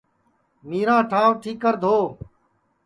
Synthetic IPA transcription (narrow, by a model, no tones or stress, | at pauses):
miːɾãːʈʰãːʋʈʰiːkːəɾd̪ʱoː